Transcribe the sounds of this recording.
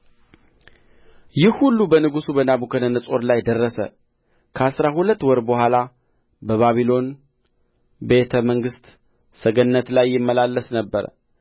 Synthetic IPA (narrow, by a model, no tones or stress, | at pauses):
jɪhhulːubənɨɡusubənabukʰənənəsʼo̞ɾlajd̪ərːəsə̰ | kʰəasɾahulət̪ːwɔɾbəhʷala | bəβaβilo̞n | be̞t̪ʰəməŋɡɨst̪ | səɡənːət̪lajːɪmːəlalːəsnəbːəɾ̰